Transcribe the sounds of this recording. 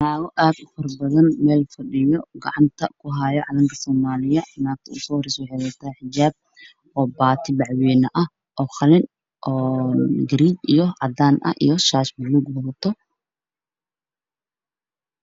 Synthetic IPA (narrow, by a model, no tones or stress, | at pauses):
naːɣɔʔaːd̪ʊfɐrbɐðɐnmɛːlfɐɖɪjɔɡɑ̰ʕɑnt̪ʰɐkʰʊɦaːjɔʕɑðɐŋkʰɐsɔːmaːlɪjɐnaːk̚t̪ʰɐʊsɔːrɪswʊħɛjlɐt̪ʰɐhɛħɪd͡ʒaːb̚ | ɔːbaːt̪ʰɪbɑʕwɛːnɐʔɐh | ʔɔːxɑlɪn | ʔɔːɡɾiːt͡ʃijɔʕɑd̪aːnʔɐ̰ʔḭjɔʃaːʃbɐluːɡwɐɾt̪ʰɔ